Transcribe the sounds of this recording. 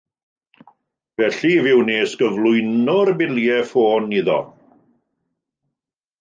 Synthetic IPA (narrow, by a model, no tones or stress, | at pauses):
vɛɬivɪwneːsɡ̥əvlˠʊjnʊrbɪljɛfoːniðɔ̰